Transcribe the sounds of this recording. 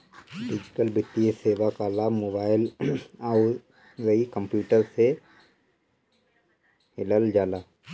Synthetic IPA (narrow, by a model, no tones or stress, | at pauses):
ɖɪd͡ʒɪʈəlbɪt̪ːieseːʋakalaːmoːbaːɪla | ɡəikə̃mpjuːʈəɾse | ɪləld͡ʒaːlaː